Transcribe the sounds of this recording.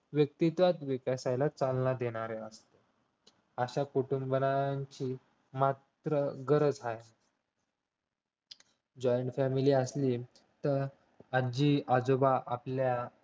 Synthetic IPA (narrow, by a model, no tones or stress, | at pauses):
ʋjək̚t̪it̪ʋat̪ʋikasajlat͡salnad̪eɽ̃aɾeəst̪e | əɕakuʈumbbənaaɲt͡ɕiː | mat̪ɾəɡəɾəd͡zɦaj | d͡ʑɔjəɳʈfæmiliːəsliː | t̪əɾ | ad͡ʑiːad͡zobaʔaplja